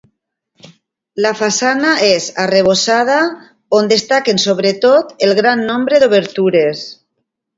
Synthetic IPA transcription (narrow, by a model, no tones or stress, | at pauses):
lafasanaezareβ̞osað̞a | ond̪est̪akensoβ̞ɾet̪ot̪elɣɾanːõmbɾeðoβ̞eɾt̪uɾes